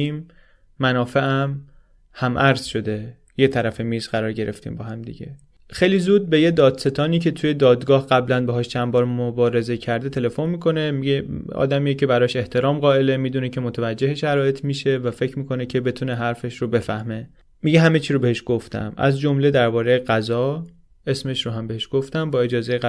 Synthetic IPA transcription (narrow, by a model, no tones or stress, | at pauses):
iːmː | ænɒːfe̞ʔæm | hæmʔæɾz̥ʃo̞d̪e̞ | jet̪ʰæɾæfe̞miːzɢæɾɒːɾɟe̞ɾe̞ft̪ḭːmbɒːhæmd̪ḭɟe̞̰ | xejlizuːd̪̚be̞jed̪ɒːd̪set̪ʰɒːniːcʰe̞t̪ʰuje̞d̪ɒːd̪ɡɒːhɡæblænbeɦɒːʃt͡ʃʰænbɒːɾmobɒːɾe̞ze̞cʰæɾd̪e̞t̪ʰe̞le̞fo̞nmiːkʰo̞ne̞mieɒ̰ːd̪æmijecʰe̞bæɾɒːʃe̞ht̪ʰe̞ɾɒːmɢɒːe̞le̞miːd̪uːnecʰe̞mot̪ʰævæd͡ʒːe̞heʃæɾɒːjet̪ʰmiʃe̞væfe̞cʰmiːkʰo̞necʰe̞be̞t̪ʰuːneɦæɾfe̞ʃɾobe̞fæ̰hme̞ | miɟeɦæme̞t͡ʃʰiːɾobe̞heʃɡ̥oft̪ʰæ̰mæ̰zd͡ʒo̞mle̞d̪æɾbɒːɾe̞jeɡæzɒː | e̞sme̞ʃɾoɦæmbe̞heʃɡ̥oft̪æmbɒːe̞d͡ʒɒːzeje